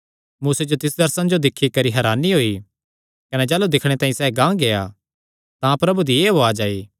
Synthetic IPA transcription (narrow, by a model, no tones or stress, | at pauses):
muːsed͡ʒot̪ɪsd̪ɐɾsãnd͡ʒod̪ɪkʰːikɐɾiɦɐɾaːniɦoːi | kɐned͡ʒɛːlud̪ɪkʰɽ̃et̪ãːĩsɛːɡãːɡeja | t̪ãpɾɐbud̪ieːɦoad͡ʒaːiː